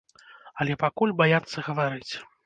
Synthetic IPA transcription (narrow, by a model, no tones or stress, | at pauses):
ɐlʲɛpakulʲbajat̪sːɐɣɐvaɾɨt͡sʲ